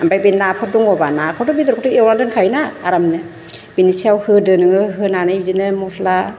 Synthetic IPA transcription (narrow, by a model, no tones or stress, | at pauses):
ambajbenapʰɔt̚duŋɔbanakʰɔtɔbid̪ɔɾkʰɔtɯewnadɯnkʰajnaːɾamnɯ | b̥inisiawhɯdɯnɯŋɯɦɯnanɯjbizinɯmɔsʰla